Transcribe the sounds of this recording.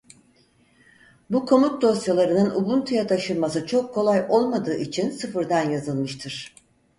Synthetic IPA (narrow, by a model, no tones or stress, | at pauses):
bukʰo̞mut̪̚d̪o̞sjalˠaɾɯnɯnʔubunt̪ʰujat̪ʰaʃɯnˠmasɯt͡ʃʰo̞kʰːo̞lˠajo̞lˠmad̪ɯːʔit͡ʃʰinsɯfɯɾd̪anjazɯlˠmɯʃt̪ʰɯɾ̥